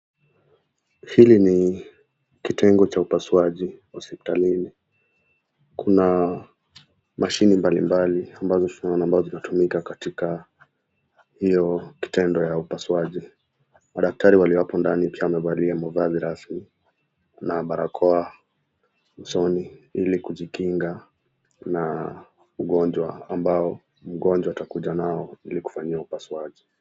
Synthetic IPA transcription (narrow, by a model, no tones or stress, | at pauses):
hilini | kitɛŋɡɔt͡ʃaupasuwaʄiwɔsipi̥talini | kʰuna | maʃinimbalimbaliambazɔtunaɔnaːmbazɔzinatumikakatika | hijɔki̥tɛndɔjaupaswaʄi | maɗak̚taɾiwaliwapɔndanipiawamɛvaliamɔvaziɾasmi | naɓaɾakʰɔa | usɔniilikuʄikiŋɡa | na | uɠɔnd͡ʒwaambaɔ | m̩ɠɔnd͡ʒwautakuʄanaɔiliku̥faɲiaupaswaʄi